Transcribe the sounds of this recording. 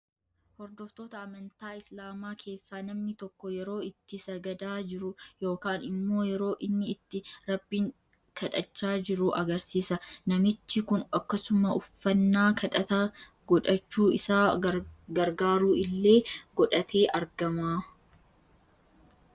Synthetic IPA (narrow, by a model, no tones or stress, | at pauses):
hɔɾd̪ɔft̪o̞ːt̪ɐːmɐnt̪aːɪslaːmaːkʰe̞ːsːaːnɐmnɪt̪ɔkːɔjɛɾo̞ːɪt̪ːɪsɐɡɐd̪aːd͡ʒɪɾʊjo̞ːkaːnɪmːo̞ːjɛɾo̞ːʔɪnːɪːt̪ːɪɾɐbːiːŋ | kʰɐᶑɐt͡ʃːaːd͡ʒɪɾʊʔɐɡɐɾsiːsɐnɐmɪt͡ʃːɪkʊnɐkːɐsʊmɐʊfːɐnːaːkʰɐᶑɐt̪ɐ | ɡ̥ɔᶑɐt͡ʃːuːɪsaːɡɐɾɡaːɾuːʔɪlːe̞ːɡɔᶑɐt̪ʰe̞ːʔɐɾɡɐmaː